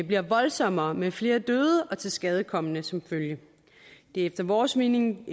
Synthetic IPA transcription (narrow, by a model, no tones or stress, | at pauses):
b̥liɐʋɒ̽lsɒ̽mɐːmefle̝ːɐd̥øːð̞ˠəʔɒ̽t͡sʰe̝lsɡ̥ɛð̞ˠəkʰɒ̽m̰ənəsɒ̽mføljə | d̥e̝efd̥ɐʋɒːsmeneŋ